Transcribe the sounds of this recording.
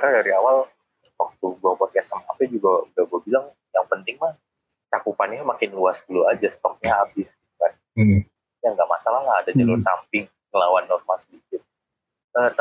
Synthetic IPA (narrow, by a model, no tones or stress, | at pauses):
aɾadaɾiawal | ak̚t̪uɡuabɔt̪̚ɛsəma̰pad͡ʒuɡaɡaɡuabilaŋ | jaŋpənt̪ɪŋmah | t͡ʃakupanɲamakɪnluasduluad͡ʒast̪ɔk̚ɲaabɪsɡikan | jaŋɡaʔmasalahlaːdad͡ʒalʊrsa̰mpɪŋ | kəlawanːɔrmalsədikɪt̪̚ | ət̪